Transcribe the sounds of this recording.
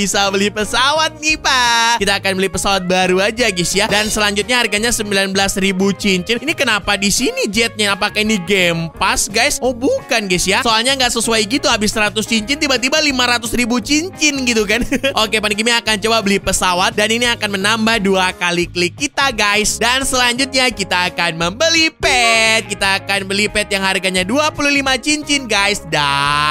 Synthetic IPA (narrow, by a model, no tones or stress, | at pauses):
isabəlihpəsawat̪̚nipakit̪aːkanbəlɪhpəsawat̪̚baɾuad͡ʒaɡisjadansəlaɲd͡ʒʊt̪̚ɲaɦarɡaɲasəmbilanbəlasribut͡ʃiɲt͡ʃɪninikənapadisinid͡ʒɛt̪̚ɲaːpakainiɡɛmpasɡajsɔhbukanɡasjasoalɲaŋɡaʔsəsuajɡit̪uɦabɪsɾat̪ʊst͡ʃiɲt͡ʃɪnt̪ibat̪̬ibalimaɾat̪ʊsribut͡ʃiɲt͡ʃɪnɡit̪̬ukanʔokepanɡimiakant͡ʃobabəlipəsawat̪̚daniniakanmənambahduakaliklɪkkːit̪aɡajsdansəlaɲd͡ʒʊt̪̚ɲakit̪aːkanməmbəlipɛt̪̚kit̪aːkanbəlipɛt̪̚jaŋɦarɡaɲaduapuluhlimat͡ʃiɲt͡ʃɪnɡajsda